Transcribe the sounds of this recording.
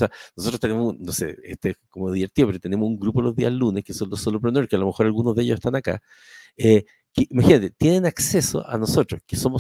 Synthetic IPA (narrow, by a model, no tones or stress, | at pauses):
seanosot̪ɾot̪enemosunosḛet̪oeskomoðiβeɾt̪iopeɾket̪enemosuŋɡɾupolozðialunehkesonlosolop̬ɾonoɾkealo̞mexo̞ɾalɣunozðeʝoseht̪anaka̰ | e | keʔimaxinat̪et̪jenenakse̞so̰ʔa̰no̞sot̪ɾoskeso̞mo